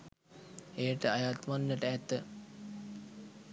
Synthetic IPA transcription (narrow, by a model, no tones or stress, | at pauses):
ejəʈəajat̪ʋanːəʈəæt̪ə